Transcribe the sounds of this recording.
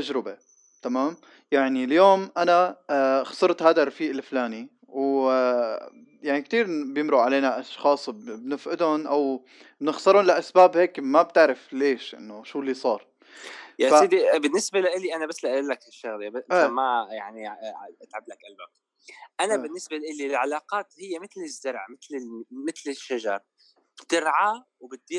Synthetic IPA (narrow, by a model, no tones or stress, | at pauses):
t̪ad͡ʒɾɪbe | t̪amaːm | jaʕniljoːmʔanaxɑ̥sˤɨɾˤt̪haːd̪arˤɑfiːʔɪlflaːni | w | jaʕnikt̪iːɾbjɪmɾuʕaleːnaʔɑʃxɑːsˤbbnɪfʔɪd̪ʊnʔaw | bnɪxsˤɨɾˤʊnlaʔasbaːbheːkmab̚t̪ɪʕɾɪfleːʃʔɪ̰nːoʃuːlːisˤɑːɾˤ | jafasiːd̪ibɪnːɪsbalaʔɪliʔanabasːlaʔɪlːakɪʃːaɣlebʔamajaʕniʔat̪ʕablakʔalwak̪̚ | ʔanabɪnːɪsbalaʔɪlilʕalɑːqɑːt̪hɪjːemɪt̪lɪzːʊɾˤʕmɪt̪lɪmɪt̪lɪʃːaʒɑ̰ɾˤ | bt̪ɪɾʕa | wbɪt̪̚d̪i